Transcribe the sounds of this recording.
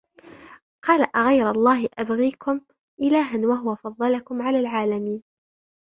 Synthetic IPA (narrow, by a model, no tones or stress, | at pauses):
qɑːlaʔaɣajɾalˤːɑːhɪʔabɣiːkʊm | ʔɪlaːɦanwaɦʊwafɑðˤːɑlakʊmʕalaːlʕaːlamiːn